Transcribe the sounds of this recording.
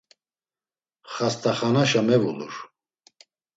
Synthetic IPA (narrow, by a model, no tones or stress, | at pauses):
χast̪ʰʼaχanaʃamɛvulṵɾ